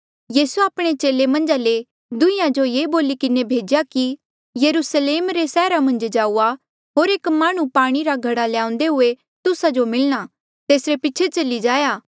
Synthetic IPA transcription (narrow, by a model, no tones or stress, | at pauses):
jiːsuaːpɽ̃et͡ʃeːlemɐ̃nd͡ʒale | d̪ʊ̃ɪjãd͡ʒojeːboːlikɪnebʱeːd͡ʒjaki | jɐɾusleːmɾesɛːɾamɐ̃nd͡ʒd͡ʒaːua | ɦoːɾeːkmaːɽ̃ũpaːɽ̃iɾaɡʱɐɽaljãːʊ̃n̆d̪eɦʊe | t̪ʊsad͡ʒomɪlɽ̃a | t̪eːsɾepɪtːʃʰet͡ʃɐlid͡ʒaːjaː